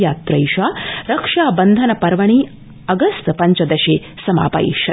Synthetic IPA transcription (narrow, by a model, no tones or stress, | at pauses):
aːt̪ɾɐjʃaːɾɐkʂaːbɐnd̪ʱɐnɐpɐɾʋɐɳ̃iː | ɐɡɐst̪pɐɲt͡ʃɐd̪ɐʃeːsɐma̰ːpɐ̰ḭʃɐ